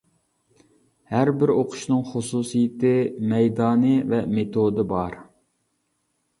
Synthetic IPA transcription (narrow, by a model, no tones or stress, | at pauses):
hæɾbɪɾoqʰʊ̥ʃnɨŋχʊsusijɪt̪ɪmɛjd̪ɑːnɨvɛmet̪ʰod̪ɨbɑɾ